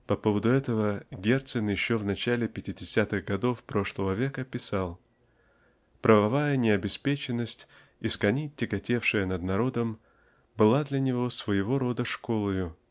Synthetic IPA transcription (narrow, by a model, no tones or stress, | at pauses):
pɐpo̞vəd̪ʊɛt̪əvəɡʲe̞rt̪sɨnjɪɕːovnɐt͡ɕælʲɪpʲɪtʲɪdʲɪsʲat̪ɨɣɡɐd̪o̞fpɾo̞ʂlˠəvəvʲe̞kəpʲɪsalˠ | pɾəvɐvajənʲɪɐbʲɪspʲet͡ɕɪnːəsʲtʲ | iskɐnʲitʲːɪɡɐtʲe̞fʂɨjənəd̪nɐɾo̞d̪əm | bɨlˠad̪lʲɐnʲɪvo̞svəjɪvo̞ɾo̞d̪əʂko̞lˠəjʊ